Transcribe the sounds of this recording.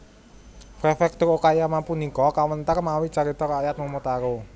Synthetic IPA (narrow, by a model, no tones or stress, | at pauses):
fɾefɛk̚t̪ʊrokajamapunikɔkawənt̪ərmawit͡ʃaɾit̪ɔɾajat̪̚momot̪aɾo